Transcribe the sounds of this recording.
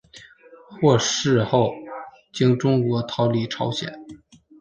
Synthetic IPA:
xwɔ˥˧ʂɻ̩˥˧xo˥˩ʊ | t͡ɕi˥ŋʈ͡ʂʊ˥ŋkwɔ˧˥t̪ʰɑ˧˥ʊli˧˩ʈ͡ʂʰɑ˧˥ʊɕjɛ̰˨˩˦n

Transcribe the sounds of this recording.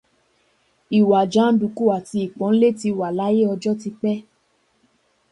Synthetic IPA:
i˨wa˨d͡ʒa˨˦n̩˦du˨˧˨ku˦a˨ti˧i˨k͡pɔ̃˨˦n̩˦le˦ti˧wa˨la˨˦je˦ɔ˧d͡ʒɔ˦ti˧k͡pɛ˦

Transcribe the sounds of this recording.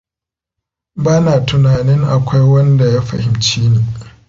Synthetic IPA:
baː˦naː˨tʊ˨naː˨nɪ˦ŋʔa˨kʷa˦jwɐ˦nda˨ja˦ɸɐ̰˨hɪ˨mt͡ʃeː˦neː˨

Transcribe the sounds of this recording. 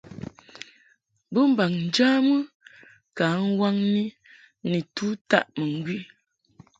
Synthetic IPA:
bə˦m̩˦ba˨ŋn̩˨d͡ʒa˦mə˦ | ka˨˦ŋ̩˦wa˦ŋni˦ | ni˨tu˦ta̰˦˨ʔmə˨ŋ̩˨˦ɡwi˦

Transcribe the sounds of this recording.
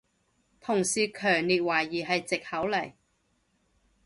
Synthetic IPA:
t̪ʰʊ˨˩ŋsiː˨kʰœː˨˩ŋliː˨t̚waː˨˩jːiː˨˩ɦɐ˨jt͡sɪ˨k̚hɐ˨˥wlɐ˨˩j

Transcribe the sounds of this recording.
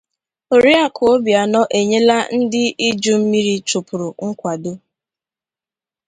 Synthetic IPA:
o˨ɾi˦a˦˨kʰo˦bja˨nɔ˦ʔe˨ɲe˦la˦n̩˦dɪ˦i˦d͡ʒu˦m̩˦mi˦ɾi˦t͡ʃʊ˨pʊ˨ɾʊ˨ŋ̩˦kʷa˨do˦

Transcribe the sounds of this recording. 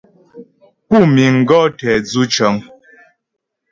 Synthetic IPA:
pu˦˨mi˨ŋ̩˨ɡɔ˦tɛ˨d͡zu˦t͡ʃɔ˨˦ŋ

